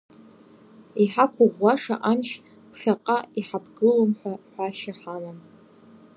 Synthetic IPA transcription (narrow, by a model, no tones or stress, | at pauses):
iħakʷʰʊʁʷːaʂa̰ʔanʃ | pʰɬaqʼaiħabʰɡɨlomħʷᶣaħʷᶣaʃaħalam